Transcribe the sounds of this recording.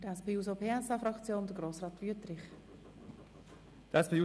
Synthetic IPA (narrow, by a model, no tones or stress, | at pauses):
d̥ɛspʰeːuːsopʰeːɛsɑfɾɑkt͡sjoːnd̥̪əɡ̥ɾoːsrɑːtv̥yətɾɪχ | d̥ɛspʰeu